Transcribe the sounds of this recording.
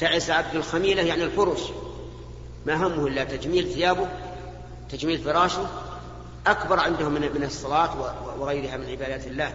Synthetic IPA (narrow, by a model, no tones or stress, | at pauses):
t̪aʕɪsʕab̚d̪alxamiːlajaʕniɪlfʊɾˤʊs | maʔaɦamːʊhʔɪlːat̪ad͡ʒmiːlθɪjaːbʊ | t̪ad͡ʒmiːlfɪɾˤɑːʃu | ʔakbɑɾˤʕɪnd̪hʊmːɪmɪnɨsˤːɑlɑːt̪wɪwɪɣajɾɪhamɪnʕɪbaːd̪aːt̪ɪlːaː